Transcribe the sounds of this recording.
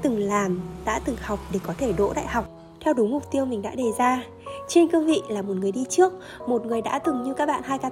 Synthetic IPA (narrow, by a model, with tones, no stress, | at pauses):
t̪ɨ˨˩ŋlaː˨˩mɗa̰ː˧˥t̪ɨ˨˩ŋha˨˩wk͡p̚ɗe˨˩kɔ˨˦t̪ʰe˧˩ɗo̰˧˥ɗa̰ː˧˨jha˨˩wk͡p̚ | t̪ʰɛ˧wɗu˨˦mʊ˨˩k͡p̚t̪i˧əwmï˨˩ŋ̟ɗa̰ː˧˥ɗe˨˩zaː˧ | t͡ɕe˧nkə˧vḭ˧˨laː˨˩mo˨˩t̚ŋɨ˨˩əjɗi˧t͡ɕɨ˦˥ək̚ | mo˨˩t̚ŋɨ˨˩əjɗa̰ː˧˥t̪ɨ˨˩ŋɲɨ˧kaː˦˥k̚ɓa̰ː˧˨nhaː˧jkaː˧